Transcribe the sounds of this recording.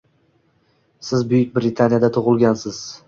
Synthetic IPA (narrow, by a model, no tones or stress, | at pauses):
sɪzbʊjɪk̚ʲbɾɪt̪ʰanijad̪at̪ʰʊʁʊlˠɡʲansɪz̥